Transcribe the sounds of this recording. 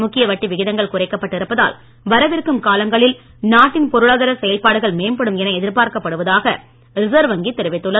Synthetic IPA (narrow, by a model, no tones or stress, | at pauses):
mʊkːɪjɐʋɐʈːiʋɪɣɪðɐŋɡɐɭkʊrɐɪkːɐpːɐʈːɪɾɯpːɐða̰ːl | ʋɐɾɐʋɪrkɯmkaːlɐŋɡɐɭɪl | naːʈːɪnpɔɾɯɭaːðɐɾɐsɛjɐlpaːɽɯɣɐɭmeːmpɐɽɯmɛnɐɛðɪɾpaːɾkɐpːɐɽɯʋɐðaːɣɐ | ɾɪsɐɾʋɐŋɡit̪ːɛɾɯʋɪt̪ːɯɭːɐ